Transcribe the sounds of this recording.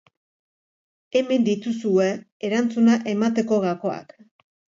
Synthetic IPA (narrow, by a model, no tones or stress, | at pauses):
e̞me̞nd̪it̪usue̞ː | ɾant͡sunaʔe̞mat̪e̞ko̞ɣako̞a̰k